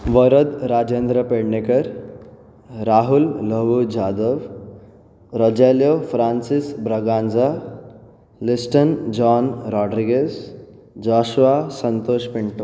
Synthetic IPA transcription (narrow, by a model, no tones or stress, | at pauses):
ʋəɾəd̪ɾad͡ʒend̪ɾəpeɽɳekəɾ | ɾaːɦulːəʋud͡ʒaːd̪əʋ | ɾɔd͡ʒeljofɾansisbɾəɡand͡za | lisʈənd͡ʒɔnɾɔɖɾiɡez | d͡ʒɔʃʋasənt̪oːʃpiɳʈo